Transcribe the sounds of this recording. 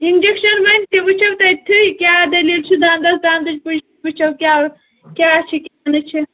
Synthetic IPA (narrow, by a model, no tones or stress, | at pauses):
ind͡ʒekʃɐnbɐnʲt̪ibɨt͡ʃʰɐwt̪ɐjt̪ʰɨkʲaːd̪ɐliːlt͡ʃʰid̪ãːnd̪ɐsd̪aːnd̪ɐd͡ʒpɨd͡ʒ | bɨt͡ʃʰɐwkʲaː | kʲaːt͡ʃʰikʲanɨt͡ʃʰi